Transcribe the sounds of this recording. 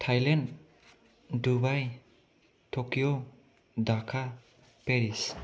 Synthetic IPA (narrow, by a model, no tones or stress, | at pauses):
tʰajlan | dubaj | tʰɔkijɔ | dakʰa | peɾis